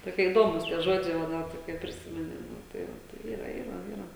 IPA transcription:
toːˈkʲiɛ iːˈdoːmuːs tʲiɛ ˈʒoːd͡ʒʲɛɪ ʋɐ ˈnʲɛt kɐɪ pʲrʲɪˈsʲɪmʲɛnʲɪ ˈnʊ tɐɪ ˈʋɐ ˈtɐɪ ˈiːrɐ ˈiːrɐ ˈiːrɐ

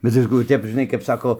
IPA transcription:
bʲɛt ˈʋʲɪskuː ˈtʲɛp ʒʲɪˈnɐɪ kɐp ˈsɑːkoː

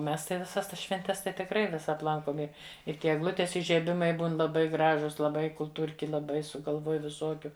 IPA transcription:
ˈmʲɛs tɐɪ ʋʲɪˈsɐs ˈtɐs ʃʲʋʲɛnʲˈtʲɛs tɐɪ tʲɪkˈrɐɪ ˈʋʲɪsɐt ˈlˠɐŋkoːm ˈɪ ɪr ˈtʲiɛ ɛɡˈlˠʊtʲeːs ɪʒʲiɛˈbʲɪmɐɪ ˈbuːn lˠɐˈbɐɪ ˈɡrɑːʒʊs lˠɐˈbɐɪ kʊlˠˈtuːrʲkʲɪ lˠɐˈbɐɪ sʊɡɐlˠˈʋuɔj ʋʲɪˈsuɔkʲʊ

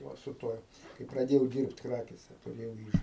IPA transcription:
ˈʋɐ sʊ ˈtuɔj kɐɪ prɐˈdʲeːjɛʊ ˈdʲiːrpt ˈkrɑːkʲeːsʲɛ tʊˈrʲeːjɛʊ ˈiːʒɐ

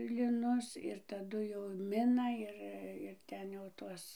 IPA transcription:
lʲɪˈnʊs ɪr tɐˈdʊ jɛʊ ˈmʲɪnɐ ˈɪr ɪr ˈtʲɛn jɛʊ ˈtuɔs

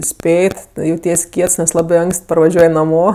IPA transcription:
ˈsʲpʲeːtʲ jɛʊˈtʲiɛs ˈkʲiɛts nʲɛs ˈlˠɑːbɜ ˈɐŋksʲtʲ pɐrʋɐˈʒʲuɔj nɐˈmoː

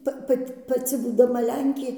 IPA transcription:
ˈpɐ ˈpɐtʲ pɐˈt͡sʲɪ buːdɐˈmɐ ˈlʲɛŋʲkʲeː

